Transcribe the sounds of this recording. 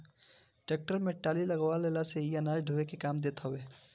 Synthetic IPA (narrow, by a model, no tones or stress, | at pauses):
ʈeːk̚ʈəɾmẽʈaːlilɐɡʋaleːlaseɦiɐnaːd͡ʒɖʱuʋekekaːmd̪eːt̪ʰaɦʊeː